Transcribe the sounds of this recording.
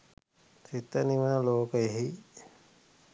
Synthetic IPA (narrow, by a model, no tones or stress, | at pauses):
sit̪ːəniʋənəloːkəeɦi